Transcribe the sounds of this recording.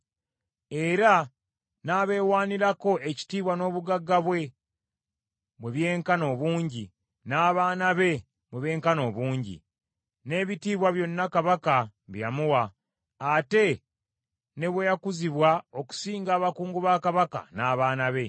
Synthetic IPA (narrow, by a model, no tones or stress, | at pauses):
e̞ɾa | naːβe̞ːwaːniɾako̞ʔe̞ci̥tiːβwano̞ːβuɡaɡːaβwe̞ | βwe̞βje̞ːŋkano̞ːβuːɲɟi | naːβaːnaβe̞ | βwe̞βe̞ːŋkano̞ːβuːɲɟḭ | ne̞ːβitiːβwaβjo̞nːakaβakaβjjamuwaː | te̞ | ne̞βwejakuziβwao̞ku̥siːŋɡaːβakuːŋɡuβaːkaβaka̰naːβaːnaβe̞